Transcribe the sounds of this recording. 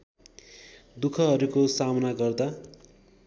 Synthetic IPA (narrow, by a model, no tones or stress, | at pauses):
d̪ukʰʌɦʌɾukosamʌnaɡʌrd̪a